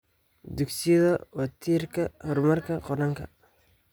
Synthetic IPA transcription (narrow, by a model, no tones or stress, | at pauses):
d̪ʊksiðɐwɐt̪ʰiːrkʰɐhɔrmɐrkʰɐqɔɾɐŋkʰɐ̰